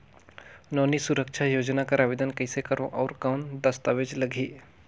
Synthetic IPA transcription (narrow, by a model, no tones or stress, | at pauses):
nɔːnisuɾəkʃʰajoːd͡ʒnakaɾaːʋeːd̪ənkəɪsekɐɾõʔɔːɾkaːnd̪ɐst̪aːʋed͡ʒlɐɡʱiː